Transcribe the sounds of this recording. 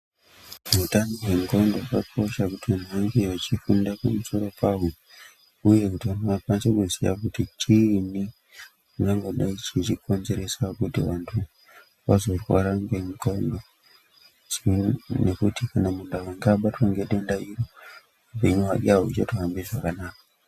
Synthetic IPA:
utanoɦwe̞ŋkondokakʰo̞ʃakutiʋanʰuʋaŋɡeat͡ʃifundapamuso̞ɾo̞paɦu | uje̞kutiʋanʰuʋapansekuzḭja̰kutit͡ʃʰini | uŋɡaŋɡo̞ɗait͡ʃit͡ʃikʰo̞nze̞ɾe̞sakutiʋantʰu | ʋazo̞rwaɾaŋɡemikondo̞ | t͡ʃinekutikanamundawaŋɡaɓatwaŋɡeɗendairo | upe̞ɲuwa̰ʄaut͡ʃatuɦambiʐakanaːka

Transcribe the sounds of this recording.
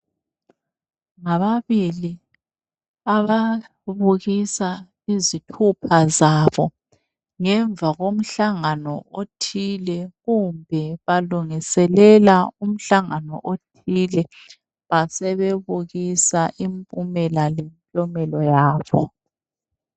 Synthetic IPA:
ŋaβaβili | aβa | βuɣisa | izitʰupʰazaβɔ | ŋɛɱvʱaɣom̩ɬaŋanɔotʰilɛɣumbʱɛβaluŋisɛlɛlaum̩ɬaŋanɔ̰ʔotʰilɛ | βasɛβeβuɣisaʔimpʼumɛlalent͡ɬʼɔmɛlɔjaːβɔ̰

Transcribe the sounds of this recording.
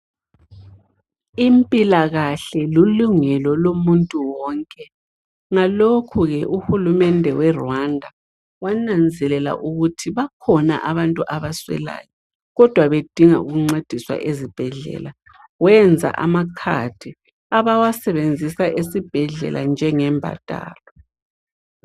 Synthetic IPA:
impʼilaɣaɬɛluluŋɛlɔlomuntʼuwɔːŋkʼɛ | ŋalokʰuɣɛʔuxulumɛndʱɛwɛrwandʱa | wanand͡zʱɛlɛla̰ʔuɣutʰiβakʰɔna̰ʔaβantʼuʔaβaswɛ̰la̰ːjɔ | ɣɔd̥ʱwaβed̥ʱiŋa̰ṵɣuŋ͡ǀed̥ʱiswa̰ʔezib̥ʱɛɮɛ̰la | wɛnd͡zʱa̰ʔa̰makʰa̰d̥ʰʱi | aβawasɛβend͡zʱisaʔesib̥ʱɛɮɛ̰lʔa̰nd͡ʒʱɛŋɛmbʱa̰tʼa̰ːlɔ

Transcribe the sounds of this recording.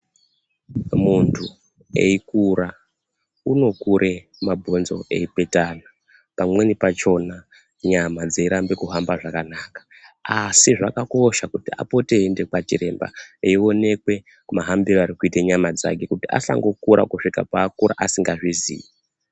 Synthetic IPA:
muntʰu | e̞̰ikuɾa | uno̞kuɾʔe̞ | mabʱo̞nzo̞̰e̞̰ipe̞tana | pamwe̞nipat͡ʃo̞na | ɲamad͡zeiɾambe̞kuɦambaʐakanakḁ | asiʐakako̞ʃakutia̰po̞te̞ɦende̞kwat͡ʃiɾe̞mba̰eio̞ne̞kwe̞ | maɦambiroaɾikuiteɲamad͡za̰ke̞kutiʔa̰sa̰ŋɡo̞kuɾʔa̰kuʂika̰paːkuɾa̰ʔasiŋɡaʐizḭːi

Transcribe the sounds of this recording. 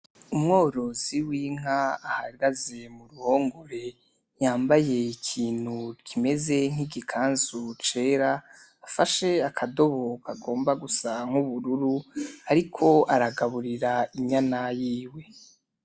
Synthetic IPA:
umŋo̞ːɾo̞ziwiŋ̥aahaɡaze̞muɾuho̞ːŋɡoɾe̞ | jaːmbaje̞ikʰiːn̥hukʰime̞ze̞ŋ̥iɡikʰaːnzut͡ʃe̞ːɾaː | faʃe̞akʰado̞βokaɡo̞ːmbaɡusaŋ̥uβuɾuɾuaɾikʰo̞ʔaɾaɡaβuɾiɾaiɲanajiːwe̞

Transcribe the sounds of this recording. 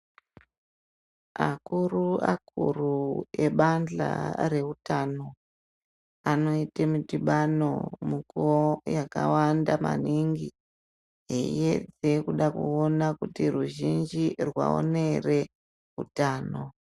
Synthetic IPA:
akuruakurue̞ɓand͡ɮa̰re̞utano̞ | ano̞itamutiɓano̞̰mukuojakawandama̰niŋɡi | ɦeḭe̞d͡ze̞kuɗakuo̞nakutiruʒind͡ʒirwa̰o̰ne̞re̞ | ɦutaːno

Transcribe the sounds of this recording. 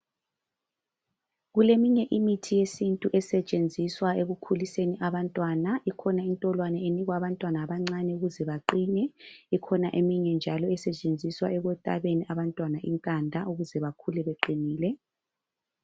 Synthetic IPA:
ɣulemiɲɛʔimitʰijesintʼuʔɛsɛt͡ʃʼend͡zʱiswaeɣukʰuliseniʔaβantʼwanaikʰɔnaintʼɔlwanɛeniɣwaβantʼwanaːβaŋ͡ǀanɛuɣuzɛβaǃinɛikʰɔnaʔemiɲɛnd͡ʒʱalɔɛsɛt͡ʃʼend͡zʱiswaɛɣɔtʼa̰βeniʔaβantʼwanaʔḭŋkʼandʱauɣuzɛβakʰulɛβeǃiniːlɛ

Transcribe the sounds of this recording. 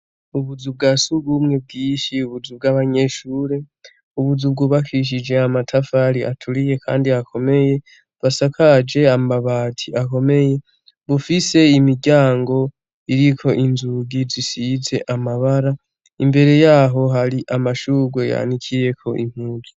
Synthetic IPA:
uβuzub̚ɡasuɡɡuːmŋe̞b̚ɡiːʃiuβuzub̚ɡaːβaɲe̞ʃuːɾe̞ | uβuzuβ̚ɡuβakʰiʃ̬id͡ʒe̞amatʰafaɾiʔa̰tʰuɾije̞kʰa̰ːndiakʰo̞me̞je̞ | βasakʰad͡ʒe̞amaβaːtʰiako̞me̞je̞ | βufise̞imiɟaːŋɡo̞ | iɾikʰo̞ʔinzuɡizisize̞ʔamaβaɾa | imbe̞ɾe̞jaːɦo̞ɦaɾiʔamaʃuɡo̞ja̰nikʰije̞kʰo̞ʔḭm̥huːzi

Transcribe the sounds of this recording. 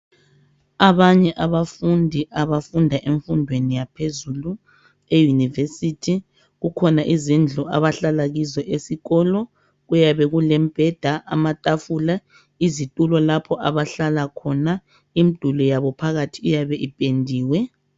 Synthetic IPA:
aβaɲɛʔaβafundʱiʔaβafundʱaʔeɱfundʱwenijapʰezulu | ejunivesitʰi | ɣukʰɔnaʔizind͡ɮʱua̰βaɬalaɣizɔʔesiɣɔlɔ | ɣujaβɛɣulɛm̩b̥ʱɛd̥ʱaʔa̰matʼafula | izitʼulɔlapʰɔʔaβaɬalakʰɔna | imid̥ʱulɔjaβɔpʰaɣatʰiujaβɛʔipʼendʱiːwɛ

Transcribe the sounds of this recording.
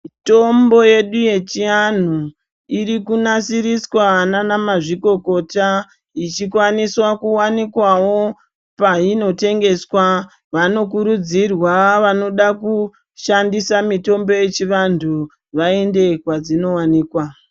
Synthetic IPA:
ito̞mbo̞je̞ɗuje̞t͡ʃian̤u | iɾikunasiɾiswananamaʐiko̞ko̞ta | it͡ʃikwaniswakuwanikwawo̞ | paino̞te̞ŋɡe̞swa | ʋano̞kuɾud͡zirwaʋano̞ɗaku | ʃandisamito̞mbo̞je̞t͡ʃiʋantʰu | ʋae̞nde̞kwad͡zino̞waniːkwa

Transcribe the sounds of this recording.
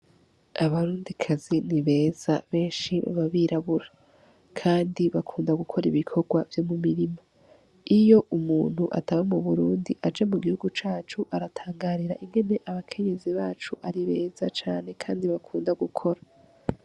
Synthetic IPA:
aβaɾuːndikʰaziniβe̞ːz̥a̰βe̞ːnʃiβa̰βaβiːɾʔaβuɾa | kʰaːndiβakʰuːndaɡukʰo̞ɾiβikʰo̞ɡwavjo̞mumiɾima | ijo̞ʔumuːn̥huʔa̰taβamuβuɾuːndiʔad͡ʒe̞muɡihuɡut͡ʃaːt͡ʃuʔaɾatʰaːŋɡaːɾiɾaʔiŋɡe̞ne̞ʔaβakʰe̞ɲe̞ziβaːt͡ʃuʔaɾiβe̞ːz̥at͡ʃaːne̞kʰaːndiβakʰuːndaɡukʰo̞ɾa

